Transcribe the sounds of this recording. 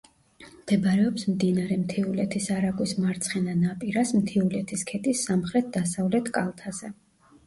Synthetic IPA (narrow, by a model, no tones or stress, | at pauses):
md̪̥ɛbɾɛɔpsmd̪inaɾɛmt̪ʰiulɛt̪ʰisaɾaɡwismaɾt̪sʰχɛnanapʼiɾasmt̪ʰiulɛt̪ʰiskʰɛt̪ʼisːamχɾɛt̪̚ʰd̪asavlɛt̪ʰkʼalˠt̪ʰazɛ